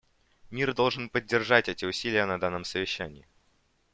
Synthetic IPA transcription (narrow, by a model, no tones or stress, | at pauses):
mʲird̪o̞lˠʐɨnpədʲːɪrʐatʲɛtʲɪʊsʲilʲɪjənɐd̪anːəmsəvʲɪɕːænʲɪː